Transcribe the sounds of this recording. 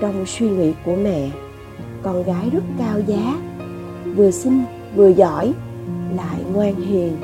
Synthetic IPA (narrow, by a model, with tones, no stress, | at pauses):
t͡ɕɔ˧wŋ͡mswi˧ŋḭ˧˨ku˧˩əmɛ̰˧˨ | kɔ˧nɣaː˨˦jzə˦˥t̚kaː˧wzaː˨˦ | vɨ˨˩əsi˧n | vɨ˨˩əzɔ̰˧˩˨j | la̰ː˧˨jŋwaː˧nɦi˨˩˨ən